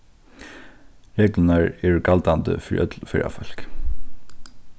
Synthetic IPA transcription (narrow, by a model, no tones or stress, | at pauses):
ɹeːklənaɹɛɹɡalt̪and̪ə̰fiɾiʔœt̪lfɪ̰ɹa̰fɔl̥k